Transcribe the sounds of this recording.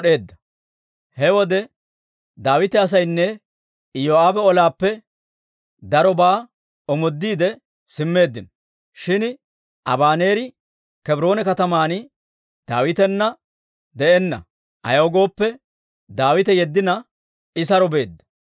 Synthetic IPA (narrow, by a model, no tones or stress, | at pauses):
ɗe̞ːd̪ːɐ | hɛwɔd̪ɛ | d̪aːwɪt̪ɛɐs̬ɐjnːɛ | joːaːbɛɔlaːpːɛ | d̪ɐɾɔbaː | ɔmɔd̪ːiːd̪ɛ | sɪmːe̞ːd̪ːɪnɔ | ʃɪn | ʔɐ̰baːne̞ːɾɪ | kɛbɾo̞ːnɛkɐt̪ɐmaːn | d̪aːwɪt̪ɛnːɐ | d̪ɛʔɛnːɐ̰ | ʔɐ̰jɐɡo̞ːpːɛ | d̪aːwɪt̪ɛjɛd̪ːɪnɐ | ɪsɐɾɔbe̞ːd̪ːɐ̥